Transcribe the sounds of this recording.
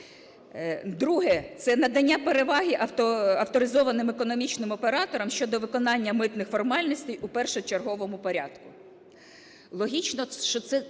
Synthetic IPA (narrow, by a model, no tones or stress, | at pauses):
d̪ɾuɦɛt̪sɛnɐd̪ɐnʲːapeɾeʋɑɦiʔɐwt̪ɔɐwt̪ɔɾɪzɔʋɐnɪmekɔnɔmʲit͡ʃnɪmɔpeɾɑt̪ɔɾɔmʃʲt͡ʃɔd̪ɔʋɪkɔnɑnʲːɐmɪt̪nɪxfɔrmɑlʲnɔsʲt̪ɛjupɛrʃɛt͡ʃerɦɔʋɔmʊpɔɾʲɑ̰d̪kʊ | lˠɔɦʲit͡ʃnɔʃt͡ʃɔt̪sɛ